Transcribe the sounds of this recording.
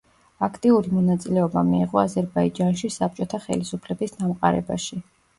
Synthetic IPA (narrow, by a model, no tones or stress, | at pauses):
akʰt̪ʼiuɾimɔnat̪sʼilɛɔba̰miiʁʼɔazɛɾbaid͡ʒanʃisap̚t͡ʃʼɔt̪ʰaχɛ̰lisupʰlɛbisd̪amqʼa̰ɾɛ̰ba̰ʃi